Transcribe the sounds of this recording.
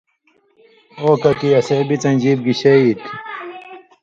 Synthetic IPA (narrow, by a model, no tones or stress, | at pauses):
oːkɐt̪iɐseːbit͡sɐnd͡ʑiːb̚ɡiɕeit̪